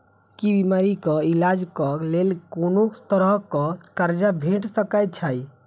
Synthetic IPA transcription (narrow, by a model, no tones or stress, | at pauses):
kibimaɾikɔilad͡ʒkɔlelkonost̪əɾəkɔkaɾd͡ʒabʱeʈsəkajt̪̚t͡ʃʰaj